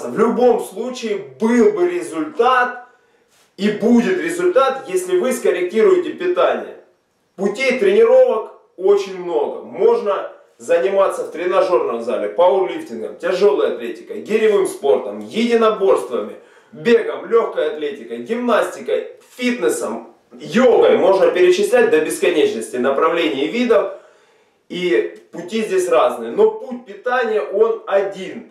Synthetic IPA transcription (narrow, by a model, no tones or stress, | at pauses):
vlʲʊbo̞mslˠut͡ɕɪɪbɨlˠbɨɾʲɪzʊlʲt̪at̪̚ | ibudʲɪt̪ɾʲɪzʊlʲt̪at̪jesʲlʲɪvɨskəɾʲɪk̚tʲiɾʊjɪtʲɪpʲɪt̪anʲɪ̰jə̰ | pʊtʲejt̪ɾʲɪnʲɪɾo̞vək | o̞t͡ɕɪnʲmno̞ɡə̰mo̞ʐnə | zənʲɪmat̪sːəft̪ɾʲɪnɐʐo̞rnəmzalʲɪpɐʊrlʲiftʲɪnɡə̰mtʲɪʐo̞lˠɨjɐt̪lʲetʲɪ̥kə̰jɡʲɪɾʲɪvɨmspo̞rt̪əmjɪdʲɪnɐbo̞rst̪vəmʲɪ | bʲe̞ɡəmlʲoxkəjəɐt̪lʲetʲɪkəjɡʲɪmnasʲtʲɪkəj | fʲit̪nɨsəm | jolˠɡəjmo̞ʐnəpʲɪɾʲɪt͡ɕɪsʲlʲæt̚ʲd̪ɐbʲɪskɐnʲet͡ɕnəsʲtʲɪnəpɾɐvlʲenʲɪvʲid̪əf | ipʊtʲizʲdʲesʲraznɨjəno̞put̚ʲpʲɪt̪anʲɪjəʔo̞nɐdʲin